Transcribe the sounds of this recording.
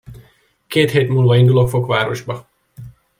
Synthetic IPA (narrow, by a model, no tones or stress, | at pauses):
keːt̪heːt̪muːlvɒind̪ulo̞kfo̞kʋaːɾo̞ʒbɒ